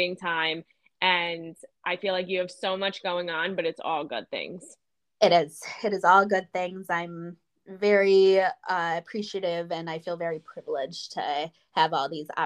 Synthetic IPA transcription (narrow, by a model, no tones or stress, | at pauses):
ɪ̃ŋtʰãɪ̃m | ʔɨ̃nʔaɪfilaɪkjɨːv̥soʊmʌt͡ʃɡ̥oʊɪ̃ŋə̃nbʌɾɨtsɔ̰lˠɡʊ̰d̪̚θɪ̰̃ŋz̥ | ɨɾɪz̥ɨɾɨzɔlˠɡʊd̪̚θɪ̃ŋzãɪ̃m | vɛɹiʌɨpʰɹ̥iʃiɨɾɪvɨ̃naɪfilˠvɛɹipʰɹ̥ɪvl̩ˠɪdd͡ʒ̥tʰɨ̰ | əvɔlˠðizɑ̰